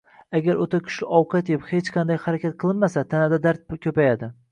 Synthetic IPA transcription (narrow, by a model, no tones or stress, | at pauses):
aɡʲaɾot̪ʰakʲʰʊ̥ʃlɪʔɒwqʰɑt̪ɪphet͡ʃqʰɑnd̪ajhaɾakʲʰat̪̚qʰɨlˠɪnmasat̪ʰanad̪ad̪aɾt̪̚kʲʰɵpajad̪ɪ